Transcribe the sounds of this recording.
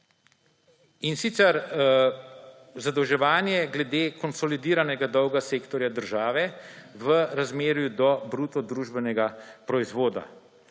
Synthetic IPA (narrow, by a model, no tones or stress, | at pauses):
insit̪sɛɾ | zad̪ɔwʒɛʋaːnjɛɡlɛd̪eːkɔnsɔlid̪iːɾanɛɡad̪ɔwɡaseːkt̪ɔɾjad̪əɾʒaːʋɛʋəɾazmeːɾjud̪ɔbɾuːt̪ɔd̪ɾuːʒbɛnɛɡapɾɔizʋoːd̪a̰